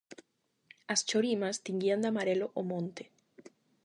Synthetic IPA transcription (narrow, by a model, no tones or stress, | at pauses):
ast͡ʃoɾimast̪iŋɡiand̪amaɾeloʔomõnt̪e